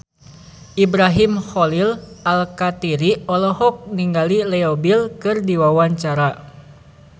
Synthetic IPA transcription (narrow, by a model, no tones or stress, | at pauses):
ʔibɾaɦimhɔlilalkat̪iɾiɔlɔhɔk̚niŋɡalilɛɔbilkɨrdiwawaɲt͡ʃaɾa